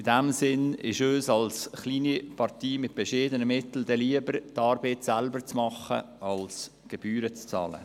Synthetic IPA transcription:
ɪdɛmsɪnɪ̰ʃøːsɑlsχliːnipʰɑrtiːmɪt̚b̥ɛʃeːdənəmɪtl̩d̥ɛliəbəɾtɑːɾbetsælbəɾt͡smɑχə̰ | ɑls | ɡ̥eb̥yːɾət͡st͡sɑ̰ːlə̰

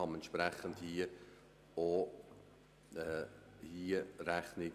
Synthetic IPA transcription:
ɑmɛntʃpɾɛχəndhi | o | ɛ | hiəɾæχnɪ

